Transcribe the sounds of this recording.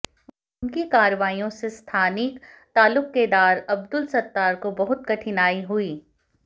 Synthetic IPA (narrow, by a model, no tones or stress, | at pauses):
nkikaːɾəʋaːijõsest̪ʰaːnɪkt̪aːlʊkːed̪aːɾɐb̚d̪ʊlsɐt̪ːaːɾkobɐɦʊt̪̚kɐʈʰɪnaːiɦʊiː